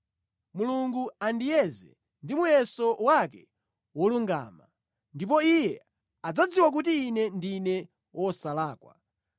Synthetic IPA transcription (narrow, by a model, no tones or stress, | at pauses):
muluŋɡuandijɛzɛ̰ | ndimujɛsɔwakɛ | wɔluŋɡa̰ːma | ndip̬ɔijɛ | ad͡zad͡ziwak̬ut̬iːnɛndinɛ | wɔsalaːkwa̰